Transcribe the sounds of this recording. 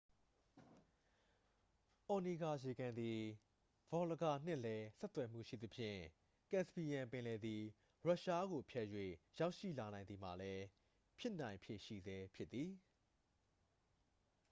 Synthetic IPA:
ʔɔ˨ni˨ɡa˨je˨ɡã˨nd̪i˨ | v̥ɔ˨lə˨ɡa˨n̥ɪ̰̃˦˨lɛ˦sɛ˦t̪wɛ˨m̥ṵ˦˨ʃḭ˦˨d̪ə˨pʰjɪ̰̃˦˨ | kɛ̃˨spi˨jã˨mpɪ̃˨lɛ˨d̪i˨ | ɹa˦ʔʃa˦ɣo˨pʰjɛ˦˨jwḛ˦˨ja˦ʊʔʃḭ˦˨la˨nã˨ɪ̃nd̪i˨m̥a̰˨lɛ˦ | pʰjɪ˦ʔnã˨ɪ̃mpʰjḛ˨ʃḭ˦˨zɛ˦pʰjɪ˦t̪ːi˨

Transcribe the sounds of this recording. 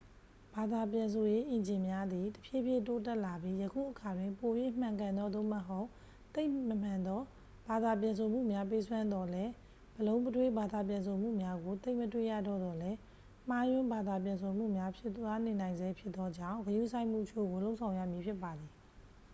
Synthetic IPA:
b̥a˨d̪a˨pjã˨ns̬ʰo˨je˦ʔɪ̃˨ɲd͡ʑɪ̃˨mja˦d̪i˨tə̥pʰje˦˨pʰje˦˨to˦t̬ɛ˦ʔla˨bji˦jəkʰṵ˦˨ʔəkʰa˨dwɪ̃˨mpo˨bji˦ʔm̥ã˨ŋkã˨nd̪ɔ˦d̪o̰˦˨mə˨ɦo˦ʊʔ | t̪e˦ɪməm̥ã˨nd̪ɔ˦ | ba˨d̪a˨p̬jã˨ns̬ʰo˨m̥ṵ˦˨mja˦pe˦sʰwã˦nd̪ɔ˦lɛ˦ | bəlõ˦ʊ̃mpətʰwe˦˨ba˨d̪a˨pjã˨ns̬ʰo˨m̥ṵ˦˨mja˦ɡo˨t̪e˦ɪʔmətwḛ˦˨ja̰˦˨dɔ̰˦˨d̪ɔ˨lɛ˦ | m̥a˦jʊ̃˦mba˨d̪a˨p̬jã˨nsʰo˨m̥ṵ˦˨mja˦pʰjɪ˦t̪wa˦ne˨nã˨ɪ̃nzɛ˦pʰjɪ˦t̪t̪ːɔ˦d͡ʑã̰˦˨ʊ̃ɡəjṵ˦˨sʰã˦ɪ̃m̥ṵ˦˨ʔt͡ɕʰo̰˦˨ɡo˨lo˦ʊʔsʰã˨ʊ̃ja̰˦˨mji˨pʰjɪ˦pːa˨d̪i˨

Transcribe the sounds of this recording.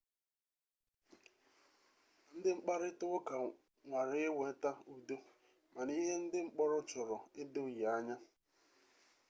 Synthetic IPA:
n̩˦dɪ˦ŋ͡m̩˦k͡pa˦ɾɪ˦tʊ˦ʊ˦ka˨ | ŋʷa˨ɾɪ˦ɪ˦wʷe˨˦ta˦u˨do˦ | ma˨ni˦ɦe˦n̩˦dɪ˦ŋ͡m̩˦k͡pɔ˦ɾʊ˦t͡ʃʊ˨ɾɔ˨ɪ˦dʊ˦˨ja˨a˦ɲa˦

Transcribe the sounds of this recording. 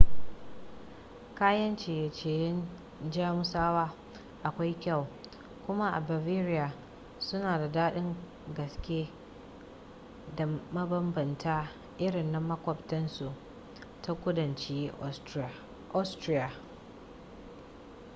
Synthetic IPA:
kaː˦jɐ˦nt͡ʃeː˨ja˨t͡ʃeː˨jɪ˦n | d͡ʒaː˦mʊ˦saː˦waː˦ | ʔa˨kʷa˦jkʲɐ˦˨w | kʷʊ˦ma˦ʔa̰˨ba˨viː˦ɾɪ˦ja˨ | sʊ˦naː˨da˨daː˦ɗɪ˦ŋ | ɡɐ˨skʲeː˦ | da˨mɐ˦bɐ˦mbɐ˨ntʰaː˦ | ʔɪ˦ɾɪ˨nːa˦mɐ˦kʷɔ˨ptɐ˦nsu˨ʔ | ta˦kʷʊ˦dɐ˨nt͡ʃi˦ | ʔa˦stɾi˦ja˨

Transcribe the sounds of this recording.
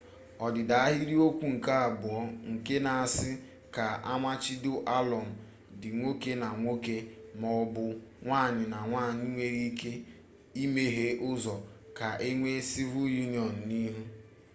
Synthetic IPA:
ɔ˨dɪ˨da˨a˦ɦi˦ɾi˦o˦kʷu˦ŋ̩˨ka˦a˨bʊ˨ɔ˦ŋ̩˨ke˦na˨a˨sɪ˦ | ka˨a˦ma˦t͡ʃɪ˦dʊ˦ʔa˦lɔ˨m̩˨ | dɪ˨ŋʷo˦ke˦na˨ŋʷo˦ke˦mɔ˨˦bʊ˦ŋʷaː˦˨ɲɪ˨na˨ŋʷaː˦˨ɲɪ˦ŋʷe˦ɾi˦ke˦ | i˦me˨ɦe˦ʔʊ˦zɔ˨ka˨ʔe˦ŋʷe˦si˦vu˦ju˦n˨ɔ˨n̩˨ni˦ɦu˦

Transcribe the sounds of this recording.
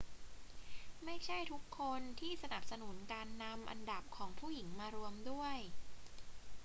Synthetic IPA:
ma˥˩jt͡ɕʰa˥˩jt̪ʰu˦˥kʰːo˧nt̪ʰiː˥˩sa˧na˨˩p̚sa˧nu˩˦nkaː˧nːa˧mʔa̰˧nda˨˩p̚kʰɔː˩˦ŋpʰuː˥˩ji˩˦ŋmaː˧ɾu˧əmdu˥˩əj

